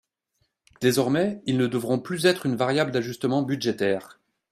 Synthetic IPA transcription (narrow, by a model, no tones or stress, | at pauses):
d̪̥ezɔʁmɛilnəd̪əvʁɔ̃plyzɛt̪χynvaʁjabld̪aʒyst̪əmɑ̃byd̪ʒet̪ɛːʁ